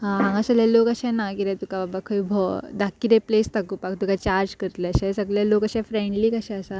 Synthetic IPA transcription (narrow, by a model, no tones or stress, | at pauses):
ɦãɦãŋɡasaljalokəɕɛnakiɾɛ̃t̪ukababakʰəibʱɔd̪akːiɾɛplest̪akupakt̪ukat͡ɕaɾd͡ʑkəɾt̪leəɕɛ̃səɡlalokəɕɛfɾẽɳɖliːkəɕɛ̃əsa